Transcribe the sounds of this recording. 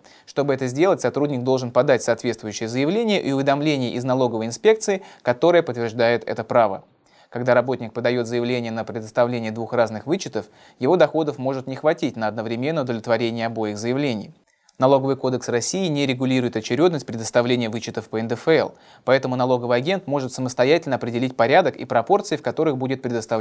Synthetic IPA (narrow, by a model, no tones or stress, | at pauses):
ʂt̪o̞bɨɛt̪əzʲdʲe̞lˠətʲsɐt̪ɾudʲnʲɪɡ̚d̪o̞lˠʐɨnpɐd̪atʲsɐaːt̪vʲet̪st̪vʊjʏɕːɪjəzəjɪvlʲenʲɪjəʔiʊvʲɪd̪ɐmlʲenʲɪjəʔɪznɐlˠo̞ɡəvəjɪnspʲe̞k̚t̪sɨɪkɐt̪o̞ɾɨjəpət̪vʲɪrʐd̪ajɪt̪ɛ̰t̪əpɾavə̰ | kɐɡd̪aɾɐbo̞tʲnʲɪk̚pəd̪ɐjo̞t̪zəjɪvlʲenʲɪjənəpɾʲɪd̪əst̪ɐvlʲenʲɪjəd̪vuxraznɨxvɨt͡ɕːɪt̪əf | jɪvo̞d̪ɐxo̞d̪əfmo̞ʐɨt̪nʲɪxvɐtʲit̚ʲnəɐd̪nəvɾʲɪmʲe̞nːəʊd̪əvlʲɪt̪vɐɾʲenʲɪjəɐbo̞jɪɣzəjɪvlʲenʲɪ̰j | nɐlˠo̞ɡəvɨjko̞d̪əksrɐsʲːijɪnʲɪɾʲɪɡʊlʲiɾʊɪt̪ɐt͡ɕɪɾʲo̞d̪nəsʲt̚ʲpɾʲɪd̪əst̪ɐvlʲenʲɪjəvɨt͡ɕːɪt̪əfpəɛnd̪əfɛ̰lˠ | pɐɛt̪əmʊnɐlˠo̞ɡəvəjɐɡʲe̞nt̪mo̞ʐɨt̪səməst̪ɐjætʲɪlʲnəɐpɾʲɪdʲɪlʲit̚ʲpɐɾʲad̪əkḭpɾɐpo̞rt̪sɨɪfkɐt̪o̞ɾɨxbudʲɪt̪̚pɾʲɪd̪əst̪ɐv